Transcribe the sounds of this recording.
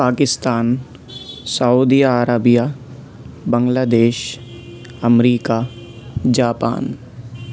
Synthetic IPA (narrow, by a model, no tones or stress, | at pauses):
paːkɪst̪aːn | saud̪iaːɾaːbija | bə̃ŋɡlaːd̪eːʃ | ɐmɾiːka | d͡ʒaːpa̰ːn